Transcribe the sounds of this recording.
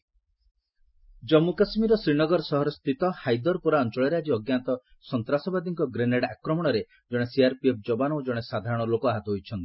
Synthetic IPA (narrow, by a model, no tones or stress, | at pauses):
d͡ʒɔmukasmiɾɔsɾiɽɔɡɔɾɔsɔɦɔɾɔst̪it̪ɔhajd̪ɔɾpuɾaɔnt͡ʃɔɭeɾead͡ʒiɔɡjant̪ɔ | sɔnt̪ɾasɔbad̪iŋkɔɡɾeneɽakɾɔmɔɽ̃ɔɾe | d͡ʒɔɽ̃esiaɾpiep̚ʰd͡ʒɔbanɔd͡ʒɔɽ̃esad̪ʱaɾɔɽ̃ɔlokɔaɦat̪ɔɦojt͡ʃʰɔnt̪i̥